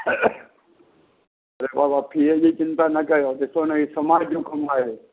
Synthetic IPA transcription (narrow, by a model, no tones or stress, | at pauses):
ɐɾebabapʰied͡ʒit͡ʃɪnt̪anəkəjot̪esonəisəmad͡ʒukəmaje